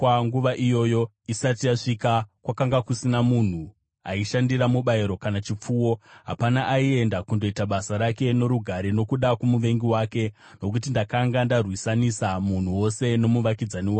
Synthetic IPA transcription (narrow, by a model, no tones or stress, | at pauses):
kwaŋɡuʋaʔijo̞jo̞ | isatijaʂikakwakaŋɡakusinamun̤u | ɦa̰iʃandiɾamuɓaiɾo̞kanat͡ʃip͡fuːwo̞ɦapanaʔːie̞ndakundo̞itaɓasaɾake̞no̞ɾuɡʱaɾeno̞kuɗakumuʋe̞ŋɡiwaːke̞ | no̞k̬utindakaŋɡandarwisanisamun̤uwo̞se̞no̞muʋakid͡zaniwaː